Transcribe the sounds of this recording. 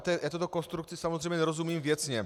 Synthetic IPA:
t̪ɛjaːt̪ut̪okonst̪ɾuk̚t͡sisamozrɛjmɲɛnɛɾozumiːmvjɛt͡sɲɛ

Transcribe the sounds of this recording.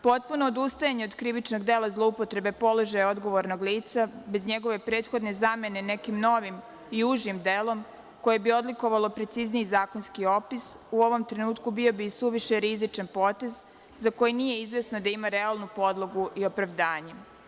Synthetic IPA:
po̞t̪̚puno̞ːd̪ust̪ajaɲeod̪kɾiʋit͡ʃno̞ɡd̪eːlˠazlˠoupo̞t̪ɾe̞be̞po̞lˠo̞ʒajao̞d̪ɡo̞ʋoɾno̞ɡliːt̪sabe̞zɲe̞ɡo̞ʋe̞pɾeːd̪xo̞d̪ne̞zame̞ne̞ne̞kimno̞ʋim | ijuːʒimd̪elo̞m | ko̞je̞bio̞d̪liko̞ʋalˠo̞pɾe̞t̪sizniizaːko̞nskio̞pis | uo̞ʋo̞mt̪ɾe̞nuːt̪kubio̞bisuʋiʃe̞ɾizit͡ʃanpo̞t̪e̞z | zako̞jinije̞izʋe̞snod̪aimaɾealˠnupo̞d̪lˠo̞ɡuʔio̞pɾaʋd̪aːɲe

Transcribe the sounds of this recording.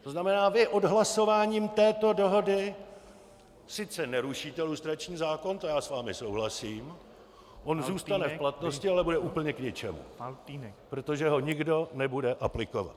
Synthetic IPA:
t̪oznamɛnaːvɪʔodɦlaso̞vaːɲiːmt̪ɛːt̪o̞do̞ɦo̞dɪ | sɪt͡sɛnɛɾuʃiːt̪ɛlust̪ɾat͡ʃɲiːzaːko̞nt̪ojaːsvaːmɪsowɦlasiːm | ʔo̞nzuːst̪anɛfplat̪no̞scɪalɛbudɛʔuːpl̩ɲɛkɲɪt͡ʃɛmṵ | pɾot̪o̞ʒɛɦo̞ɲɪɡdo̞nɛbudɛʔaplɪko̞va̰t̪

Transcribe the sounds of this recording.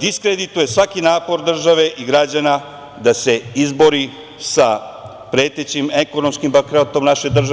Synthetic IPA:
d̪iskɾed̪it̪uje̞sʋakinaːpo̞ɾd̪r̩ʒaʋe̞ʔiɡɾad͡ʑana | d̪ase̞izbo̞ɾi | sa | pɾe̞ːt̪e̞t͡ɕimeko̞nomskimbakɾot̪o̞mnaʃe̞d̪r̩ʒa

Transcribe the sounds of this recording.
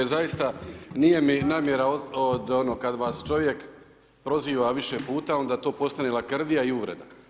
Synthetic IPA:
zajist̪anije̞minaːmjeɾaood̪onokad̪ʋaːst͡ʃo̞ʋje̞k | pɾo̞ziːʋaʋiʃe̞puːt̪ao̞nd̪aːt̪o̞ːpo̞st̪anelakr̩d̪ijaiuʋɾe̞d̪a

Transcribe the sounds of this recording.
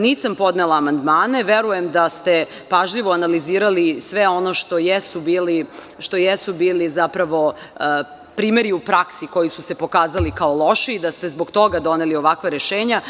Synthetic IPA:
niːsampo̞d̪nelaːmand̪maːne̞ʋe̞ɾujemd̪ast̪e̞ | paʒʎiʋoanaliziːɾalisʋeo̞no̞ʃt̪o̞jesubiːli | ʃt̪o̞jesubiːlizapɾaʋo̞ | pɾiːme̞ɾiupɾaksiko̞jisusepo̞kaːzalikaolˠo̞ʃiːd̪ast̪e̞zbo̞ɡt̪o̞ɡad̪o̞nelio̞ʋakʋaɾeʃeːɲa

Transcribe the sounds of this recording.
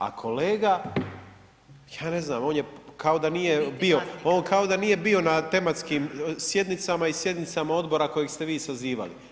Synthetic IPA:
a̰kʰo̞le̞ːɡa | jaːne̞zna̰ːmo̞ːnjekao̞d̪anije̞bio̞oːnkao̞d̪anije̞bio̞nat̪e̞mat̪skiːmsje̞d̪nit̪samaisje̞d̪nit̪samao̞d̪bo̞ɾako̞jeɡst̪e̞ʋiːsaziːʋa̰lḭ

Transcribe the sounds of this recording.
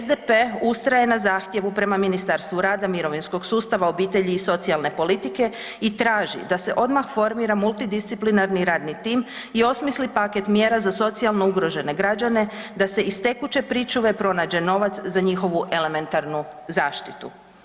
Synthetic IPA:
zd̪epeust̪ɾaje̞nazaːxt̪je̞ʋupɾe̞maminist̪aɾst̪ʋuɾaːd̪amiɾo̞ʋinsko̞ɡsuːst̪aʋao̞biːt̪e̞ʎiːso̞t̪sialne̞po̞lit̪ike̞ | it̪ɾaːʒḭd̪ase̞ʔo̞d̪maxfo̞ɾmiːɾamulˠt̪id̪ist̪siplinaɾniɾaːd̪nit̪iːm | io̞smislipake̞t̪mje̞ːɾazaso̞t̪sialˠnouɡɾo̞ʒe̞ne̞ɡɾad͡ʒane̞d̪ase̞ʔist̪e̞kut͡ʃe̞pɾit͡ʃuʋe̞pɾo̞naːd͡ʑe̞no̞ʋat̪szaɲixo̞ʋuʔe̞le̞me̞nt̪aɾnuzaːʃt̪it̪ṵ

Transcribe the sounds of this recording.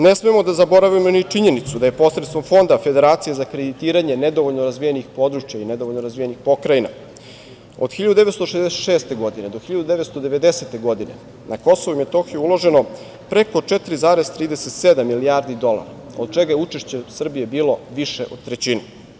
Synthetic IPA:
nesmemo̞d̪azabo̞ɾaʋimonit͡ʂiɲe̞nit̪sud̪ajepo̞sɾet̪t̪ʋo̞mfo̞nd̪afed̪e̞ɾaːt̪sije̞zakɾed̪it̪iːɾaɲe̞ned̪o̞ʋoʎnoɾazʋijenixpo̞d̪ɾut͡ʃjained̪oʋoʎnoɾazʋijenixpo̞kɾajina | od̪̥xiʎad̪ud̪eet̪st̪oʃezd̪eseʃeːst̪e̞ɡo̞d̪ine̞d̪oxiʎad̪ud̪eʋet̪st̪o̞d̪e̞ʋe̞d̪ese̞t̪e̞ɡo̞d̪inḛ | nako̞soʋoimet̪oxijuulo̞ʒe̞no̞ | pɾeko̞t͡ʂet̪ɾizaːɾezt̪ɾiːd̪eset̪sed̪amːiliaɾd̪id̪o̞lˠa̰ɾa | od̪̚t͡ʃeɡajeut͡ʃeʃt͡ɕesr̩bije̞biːlo̞ʋiʃḛʔo̞d̪̚t̪ɾet͡ɕine

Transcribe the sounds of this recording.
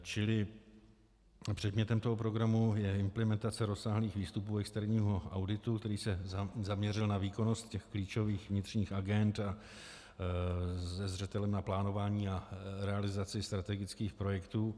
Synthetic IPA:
t͡ʃɪlɪ | pr̝̥ɛd̪mɲɛt̪ɛmt̪o̞ɦo̞pɾo̞ɡɾamujɛɪmplɛmɛnt̪at͡sɛɾo̞sːaːɦliːxviːst̪upuːɛkst̪ɛɾɲiːɦo̞ʔa̰wdɪt̪ukt̪ɛɾiːsɛzamɲɛr̝ɪlnaviːko̞no̞st̪cɛxkliːt͡ʃo̞viːxvɲɪt̪r̝̥ɲiːxʔaɡɛnt̪a | zɛzr̝ɛt̪ɛlɛmnaplaːno̞vaːɲiːaɾɛalɪzat͡sɪst̪ɾat̪ɛɡɪt͡skiːxpɾo̞jɛkt̪uː

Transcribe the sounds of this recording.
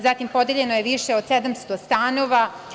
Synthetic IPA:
zat̪impo̞d̪eʎe̞no̞jeʋiʃeod̪̥sed̪amst̪o̞st̪aːno̞ʋa

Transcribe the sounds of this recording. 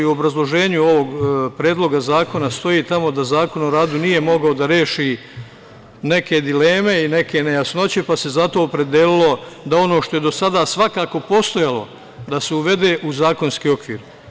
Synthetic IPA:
iuobɾazlˠo̞ʒe̞ːɲuoʋo̞ɡpɾeːd̪lˠo̞ɡazaːko̞nast̪o̞jiːt̪amo̞d̪azaːko̞noɾaːd̪unije̞mo̞ɡaod̪aɾe̞ːʃi | ne̞ke̞d̪ile̞ːme̞ine̞ke̞nejasno̞t͡ɕe̞pase̞zat̪o̞ːpɾe̞d̪elilˠo̞d̪ao̞no̞ːʃt̪o̞je̞d̪o̞sad̪aːsʋakaːko̞po̞st̪o̞jalo̞ | d̪ase̞uʋe̞d̪e̞ːʔuzaːko̞nskiːo̞kʋiːɾ

